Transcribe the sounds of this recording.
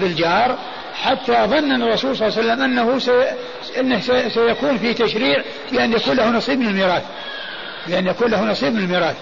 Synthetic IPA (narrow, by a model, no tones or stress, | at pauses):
bɪld͡ʒɑːɾˤ | ħat̪ːaʔɑðˤɨnːʔɪnːərˤːɑsuːlsˤɑlːsalːamʔanːahusa | ʔɪnːahsasajakuːnfiːt̪aʃɾiːʕ | bɪʔanjakuːnlahunɑsˤiːb̚mɪnɪlmiːɾˤɑːθ | bɪʔanːjakuːnlahunɑsˤiːb̚mɪnɪlmiːɾˤɑːθ